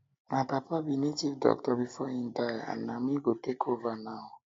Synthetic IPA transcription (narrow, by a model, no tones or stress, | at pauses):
nãpapabinetivdɔ̰k̚tɔbifɔĩndaa̰namĩɡotekʰovanaɔ